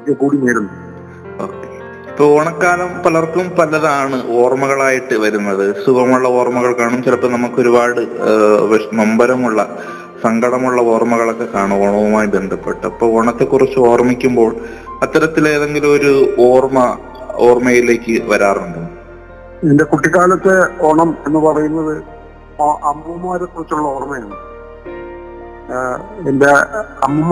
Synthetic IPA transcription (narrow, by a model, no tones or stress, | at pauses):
kːekuːɽineːɾun | o̞ːkːe | ipːoːoɳɐkːaːlɐmpɐlɐrkumpɐlɐðaːɳɨo̞ːrmɐɣɐɭaːjiʈːɨʋɐɾunːɐðɨsuʋɐmuɭːɐo̞ːrmɐɣɐɭkaːɳumt͡ɕilɐpːonɐmukːo̞ɾubaːɽɨʋeʂnɐmbɐɾɐmuɭːɐ | sɐŋɡʱɐɽɐmuɭːɐo̞ːrmɐɣɐɭo̞kːe̞kaːɳuoɳɐʋumaːjibe̞nd̪ʱɐpːe̞ʈːɨɐpːo̞ːɭoɳɐt̪ːe̞kːurit͡ɕːɨo̞ːrmikʲːumbo̞ːɭɐt̪ːɐɾɐt̪ːileːðe̞ŋɡiloɾuoːrmɐ | oːrmɐjile̞ːkːɨʋɐɾaːruɳɖum | ende̞kuʈːikaːlɐt̪ːeoɳɐme̞nːɨpɐrɐjunːɐðɨ | ɐmmaːɾekːurit͡ɕːuɭːɐoːrmɐjaːɳ | endeɐmːum